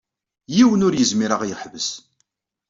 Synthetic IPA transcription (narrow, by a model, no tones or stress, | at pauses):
jiwənʊɾjəzmiɾəʁjəħvəs